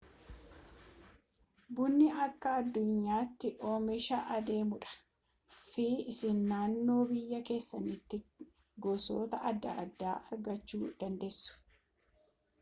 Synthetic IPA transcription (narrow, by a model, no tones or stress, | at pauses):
bʊnːɪʔɐkːɐːd̪ːʊɲːaːt̪ːɪʔoːmɛʃɐʔɐd̪e̞ːmʊᶑɐ̥ | fiːɪsɪnːaːnːo̞ːbɪjːɐke̞ːsːɐnit̪ːɪ | ɡɔːso̰ːt̪ɐʔɐd̪ːɐ̰d̪ːaːʔɐɾɡɐt͡ʃːuːd̪̥ɐnd̪ɛsːʊ̥